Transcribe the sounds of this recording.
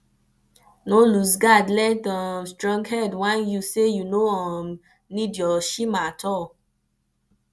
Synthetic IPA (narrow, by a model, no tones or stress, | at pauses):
nolusɡadlɛdãsdɾɔ̃ŋkhɛdwãnjusejunoɔm | nĩdjɔʃimatʰɔ